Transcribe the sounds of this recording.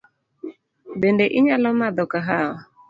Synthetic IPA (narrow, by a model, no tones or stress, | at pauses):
bendeʔɪɲalɔmad̪ɔkaɦaɔ